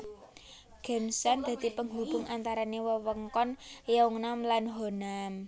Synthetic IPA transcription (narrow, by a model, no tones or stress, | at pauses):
ɡ̥ɛ̤nsand̪̥ä̤d̪̥i̤pəŋɦub̥ʊ̤ŋʔant̪aɾanewəwəŋkɔnjauŋnamlanɦonam